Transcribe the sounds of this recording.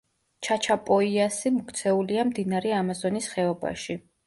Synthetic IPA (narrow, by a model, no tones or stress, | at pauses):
t͡ʃʰat͡ʃʰapʼɔiasimɔkʰt̪sʰɛuliamd̪inaɾɛamazɔnisχɛɔba̰ʃi